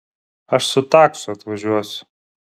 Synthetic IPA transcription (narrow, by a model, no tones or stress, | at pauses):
ɐʃsʊt̪ɑːksʊɐt̪ʋɐʒʲuɔsʲʊ̥